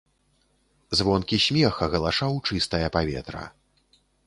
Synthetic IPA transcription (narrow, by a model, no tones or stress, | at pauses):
zvɔnkʲisʲmʲɛxɐɣɐlˠaʂawt͡ʂɨst̪ɐjɐpavʲɛ̰t̪ɾɐ̰